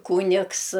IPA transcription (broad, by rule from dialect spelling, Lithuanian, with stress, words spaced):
ˈkuːnʲɪks